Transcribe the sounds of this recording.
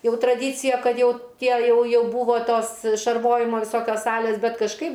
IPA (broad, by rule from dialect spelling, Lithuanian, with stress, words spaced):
ˈjɛʊ trɐˈdʲiːt͡sʲɪjɛ ˈkɐt ˈjɛʊ ˈtʲiɛ ˈjɛʊ ˈjɛʊ buːʋoː ˈtoːs ʃɐrˈʋoːjɪmoː ʋʲɪˈsoːkʲoːs ˈsɑːlʲeːs ˈbʲɛt kɐʃˈkɐɪp